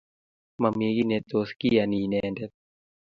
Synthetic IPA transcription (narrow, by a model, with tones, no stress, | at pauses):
ma˨mi˧˦ki˦ne˨˧t̪ːo˨˧ski˦ja˨niː˨nɛː˧nde˦t̪̚